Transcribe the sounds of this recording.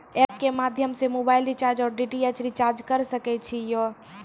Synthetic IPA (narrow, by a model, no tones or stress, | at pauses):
ɛp̚kemad̪ʱjəmsemobailɾit͡ʃaɾd͡ʒɔːɾɖiʈiet͡ʃɾit͡ʃaɾd͡ʒkəɾsəkɛt͡ʃʰijɔ